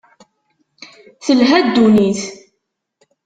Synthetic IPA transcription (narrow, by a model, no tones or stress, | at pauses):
θəlɦæd̪ːuniθ